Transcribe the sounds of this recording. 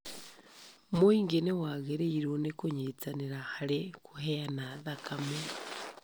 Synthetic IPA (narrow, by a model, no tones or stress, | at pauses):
moiŋɡenewaːɡeɾeiɾonekoɲet͡saneɾahaɾekʰuheanaðakame